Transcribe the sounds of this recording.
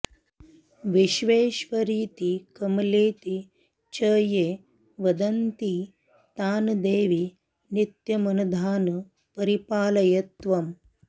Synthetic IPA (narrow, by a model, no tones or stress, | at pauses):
ʋiʃʋeːʃʋɐɾiːt̪ikɐmɐleːt̪i | t͡ʃɐːjeː | ʋɐd̪ɐnt̪i | t̪aːnd̪eːʋi | nit̪jɐmɐnɐd̪ʱaːn | pɐɾipaːlɐjɐt̪ʋɐm